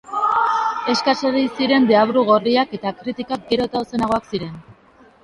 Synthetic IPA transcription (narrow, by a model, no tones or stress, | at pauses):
e̞skaseðejsiɾe̞nd̪eaβɾuɣ̞o̞riake̞t̪akɾit̪ikak̚ɡe̞ɾo̞t̪awse̞naɣ̞o̞aksiɾe̞n